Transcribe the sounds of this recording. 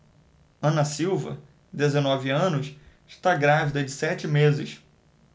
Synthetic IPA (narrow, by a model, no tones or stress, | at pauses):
ɐ̃nɐsiwvɐ̰ | d̪ezenɔvɪɐ̃nʊs | ɪʃt̪aɡɾavid̪ɐd͡ʒɪsɛt͡ʃɪmezɪs